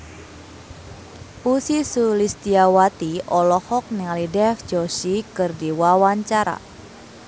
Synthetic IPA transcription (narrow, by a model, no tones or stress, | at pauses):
ʔusisulist̪iawat̪iʔɔlɔhɔk̚nialidɛfd͡ʒosikɨrdiwawaɲt͡ʃaɾa̰